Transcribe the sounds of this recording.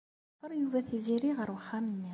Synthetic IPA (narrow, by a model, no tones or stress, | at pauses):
qːəɾˤjuvæθiziɾiʁəɾwəχːæmənːi